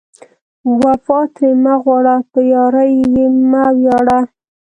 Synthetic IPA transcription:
wafɑt̪ʰemaɣwɑɽapəjɑɾajjemawjɑɽa

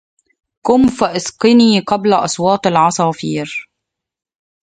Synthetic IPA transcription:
kʊmfaʔɪsqɨniːqɑblaʔɑsˤwɑːt̪ˤɑlʕɑsˤɑːfiːɾ

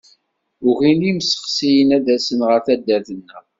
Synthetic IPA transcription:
ʊʝiliməsə̥qsijənæd̪æsənʁəɾθæd̪ːæɾθənːə

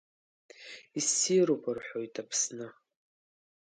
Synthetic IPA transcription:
isːiɾopʰɨrħʷo̞jtʰapʰsnɨ

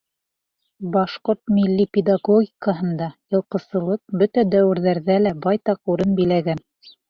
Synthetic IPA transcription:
bɑʃqoɾt̪milːipʲed̪aɡoɡʲikəɦɤ̆nd̪ɑjɤ̆lˠqɤ̆sɤ̆lˠɤq̚bɵt̪æd̪æwɘ̆ɾðæɾðælæbɑjt̪ɑquɾɤnbilæɡæn

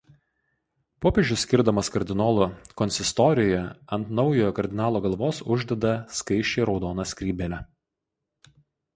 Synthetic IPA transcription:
poːpʲeːʒʲʊsʲkʲɪɾd̪ɐmɐskɐɾʲd̪ʲɪnoːlˠokɔnʲsʲɪst̪ɔːɾʲɪjoːjɛɐnt̪nɒʊjoːjɔkɐɾʲd̪ʲɪnɑːlˠoːɡɐlˠʋoːsʊʒʲd̪ʲɛd̪ɐskɐɪʃʲt͡ʃʲeɪɾɒʊd̪oːnɐsʲkʲɾʲiːbʲɛlʲɛ

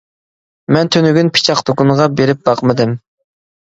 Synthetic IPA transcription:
mɛnt̪ʰønyɡʲynpʰɪ̥t͡ʃʰɑqd̪okuɴʁɑbeɾɪp̚bɑqmɨd̪ɪm

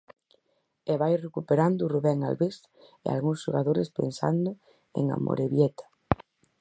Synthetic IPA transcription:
eβajrekupeɾand̪ʊruβɛŋa̰lβes | ḛa̰lɣuŋsʃoɣaðoɾɪspḛnsa̰nd̪ʊ | ḛŋa̰mo̰ɾeβjɛt̪ḁ

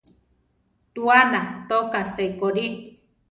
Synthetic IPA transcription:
t̪uanat̪okaseikoɾi

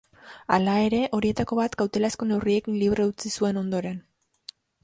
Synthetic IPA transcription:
a̰lae̞ɾe̞ʔo̞ɾie̞t̪ako̞βat̪ɡawt̪e̞lasko̞ne̞wrie̞kinliβɾe̞ut͡sisue̞no̞nd̪o̞ɾe̞n

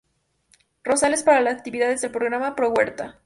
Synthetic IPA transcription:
ro̞sale̞spaɾalasak̚t̪iβiðaðezðe̞lpɾo̞ɣɾamapɾo̞ɣwe̞ɾt̪a

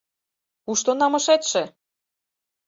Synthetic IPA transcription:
uʃt̪onɑmɤ̆ʃet̪ʃĕ

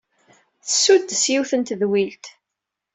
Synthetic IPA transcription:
θəsːud̪ːsjiwθənt̪ðwilt̪

